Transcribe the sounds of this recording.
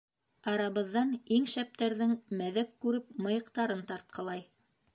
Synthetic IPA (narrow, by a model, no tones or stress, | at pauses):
ɑɾɑβɤ̆ðːɑniŋʃæp̚t̪æɾðɘŋmæðækːʉɾɘp̚mɤ̆jɤ̆qt̪ɑɾɤnt̪ɑɾt̪̚qʰɤ̆lˠɑj